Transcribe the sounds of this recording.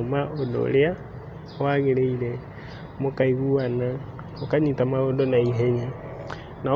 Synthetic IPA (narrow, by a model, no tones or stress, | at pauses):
omaʔodo̰lea | waɣeɾeiɾɛ | mokaiɣuana | okaɲitamaɣondonaiɦeɲa | na